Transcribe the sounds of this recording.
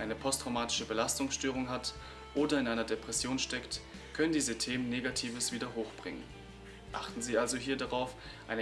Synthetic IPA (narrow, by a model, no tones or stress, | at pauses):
ʔaɪnəpʰɔstʁ̥aʊmaːtɪ̥ʃəbəlastʊŋsʃtøːʁ̞ʊŋɦat | ʔoːdɐɪnʔaɪnɐdepʁ̥ɛsjoːnʃtɛkt | kʰœnəndiːzətʰeːmənːeːɡatʰiːvəsv̥iːdɐɦoːxb̥ʁɪ̰ŋə̰n | ʔa̰χtn̩ziːalzoɦiːɐdaʁaʊf | ʔa̰ɪnə